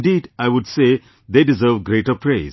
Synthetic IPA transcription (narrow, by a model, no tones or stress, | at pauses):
ɖiːɖaɪʋʊɖseː | d̪eːɖɪzəɾʋɡɾeːʈəpʰɾeːz